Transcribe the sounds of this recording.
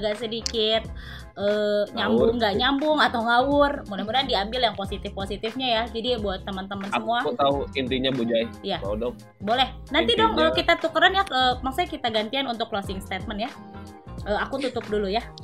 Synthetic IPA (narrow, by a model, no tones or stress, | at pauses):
ɡaʔsədikɪt̪̚ | ʔəːɲambʊŋɡaʔɲambʊŋat̪awŋawʊrmunamudandiambɪljaŋposit̪ɪfposit̪ɪfɲajad͡ʒadibuat̪ːəmənt̪əmənsəkmuaut̪auint̪iɲabud͡ʒaiijaa̰udɔ | bolɛh | nant̪idɔŋəkit̪at̪ukəɾanjaəːmaksuɲakit̪aɡant̪ianunt̪ʊklosɪŋst̪et̪̚mənja | əakut̪ut̪ʊp̚duluja